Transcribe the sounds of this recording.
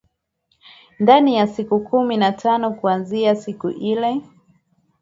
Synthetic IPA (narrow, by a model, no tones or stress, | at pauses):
ndanijasikukʰuminatʰanɔkuanziasikṵʔilɛ